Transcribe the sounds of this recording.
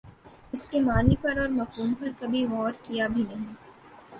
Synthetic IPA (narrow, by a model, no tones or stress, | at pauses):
ɪskemaːnipɐɾɔːɾmɐfɦuːmpɐɾkɐbʱiɣɔːɾkijabʱinɐɦĩ